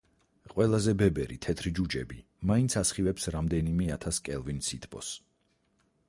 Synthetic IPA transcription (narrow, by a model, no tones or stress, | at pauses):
qʼwɛlˠazɛbɛbɛɾḭt̪ʰɛt̪ʰɾid͡ʒud͡ʒɛ̰bi | maint̪sʰasχivɛpsɾamd̪ɛnimɛat̪ʰaskʼɛlˠvinsit̪ʰbʰʼɔ̰s